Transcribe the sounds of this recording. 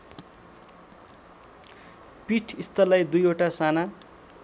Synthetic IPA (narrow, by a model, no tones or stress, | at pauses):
piʈʰist̪ʌlʌjd̪ujoʈasana